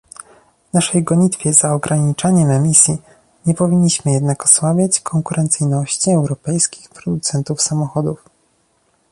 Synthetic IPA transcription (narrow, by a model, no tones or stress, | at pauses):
vnaʂɛjɡɔɲit̪fʲjɛzaɔɡɾaɲit͡ʂaɲɛmɛmʲisʲji | ɲɛpɔvʲiɲːiɕmɘjɛd̪nakɔ̥swabʲjat͡ɕkʰɔŋkuɾʔɛnt̪sɘjnɔɕt͡ɕiɛwɾɔpɛjskʲi̥xpɾɔd̪ut̪sɛnt̪ufsamɔxɔd̪uf